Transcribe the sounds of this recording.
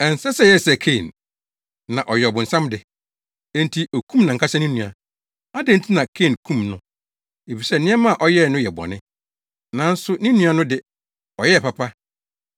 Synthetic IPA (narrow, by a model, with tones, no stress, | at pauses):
ɛ̃˨n̩˨sɛ˦sɛ˦jɛ˦˨sɛ˨kʰe˦˨n | nã˨ʔɔ˨jɛ˨ɔ˨bʊ̃˨n̩˨sã˦mdɪ˨ | ẽ˦ntʰi˨ɔ˨kʰũ˦mnã˨ŋ̩˨kʰa˦sa˦nĩ˦nũ˨a˨ | a˦dɪ˦n̩˦tʰi˦nã˨kʰẽ˦˨nkʰũ˦mnʊ̃˦ | e˨fi˨sɛ˦nɪ̃˦ɛ˦mã˦˨ʔɔ˦jɛ˦˨nʊ̃˦jɛ˨bɔ̰˨nɪ̃˦ | nã˨˦n̩˦sʊ˦nĩ˦nũ˨˦a˦nʊ̃˦dɪ˦ | ɔ˨jɛ˦˨pʰa˨pʰa˦